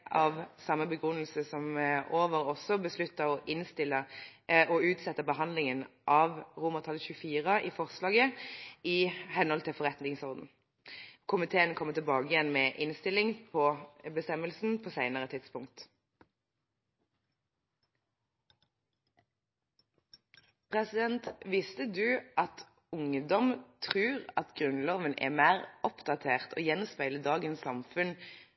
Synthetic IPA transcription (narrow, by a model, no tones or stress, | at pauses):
ʔɑʋsɑməbəɡʁʉnːəlsəsɔmoːʋəʁɔsɔbəslʉt̪ːəɔʔɪnst̪ɪləɔʉːt̪sɛt̪ːəbəɦɑnd̪lɪŋənʔɑʋʁʊməʁt̪ʰɑlçʉəfiːʁəʔiːfɔʁslɑːɡəɪhɛnhɔlt̪ʰɪlfɔʁɛt̪nɪŋsɔʁd̪n̩ | kʰʊmɪt̪ʰeːənkʰɔmət̪ɪɛlbɑːɡəjɛnmɛːʔɪnst̪ɪlɪŋpʰɔbəst̪ɛməlsn̩pʰoːsæɪnəʁət̪ʰɪt̪spʊŋkt̪ | pʰʁɛsɪd̪ɛnt̪ʋɪst̪əd̪ʉːʔɑt̪ | ʊŋəd̪ɔmt̪ʰʁʉːʁɑt̪ɡʁʉnloːʋənʔɛ̰ːmæːʁɔpd̪ɑt̪ʰeːʁt̪ʰo̰ːjɛnɔspæɪləd̪ɑːɡənsːɑmfʉn